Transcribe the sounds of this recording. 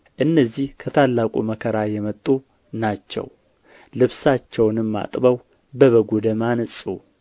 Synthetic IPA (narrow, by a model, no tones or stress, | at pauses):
ʔɨnːəzihkʰət̪ʰalːakʼṵməkʰəɾajɛmət̪ʼːu | nat͡ʃːɛ̰w | lɨβsat͡ʃːɛwnɨmːa̰t̪ʼbəw | bəβəɡud̪əmansʼu